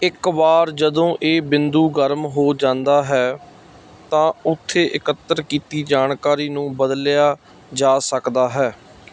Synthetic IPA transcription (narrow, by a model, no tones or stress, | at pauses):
ɪkʋaːɾd͡ʒəd̪õːʔeːbɪ̃nd̪uːɡəɾmɦoːd͡ʒãːnd̪aːɦɛː | t̪ãːʊt̪ʰːeːʔɪkət̪ːəɾkiːt̪iːd͡ʒaːnkaːɾiːnũːbəd̪lɪjaː | d͡ʒaːsəkd̪aːɦɛː